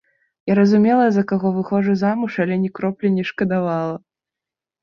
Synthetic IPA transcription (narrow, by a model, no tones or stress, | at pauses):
jaɾɐzumʲɛlˠɐzɐkaɣɔvɨxɔʐɨzamuʂalʲɛnʲɛkɾɔplʲɛnʲɛʂkɐd̪avalˠɐ